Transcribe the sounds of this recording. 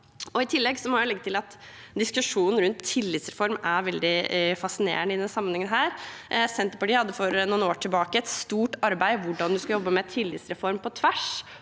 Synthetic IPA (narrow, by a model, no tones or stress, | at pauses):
ɔɪt̪ʰɪlːɛɡsɔmɔʊlɛɡːət̪ɪlɑt̪ | d̪ɪskʉʂuːnn̩ɾʉnt̪ʰːɪlːɪt̪sɾɛfɔɾmæɾʋɛld̪ɪfɑsɪnḛːɾəɳəɪd̪ɛnsɑmːənhɛŋənɦæːɾsɛnt̪əpɑʈiːhɑd̪ːəfɔɾnuːnoːʈʰɪlbɑːkəɛt̪st̪uːʈɑɾbæɪʋʊɖɑnd̪ʉskɑjɔbːəmɛt̪ʰɪlːɪt̪sɾɛfɔɾmpʰɔt̪ʰʋæʂ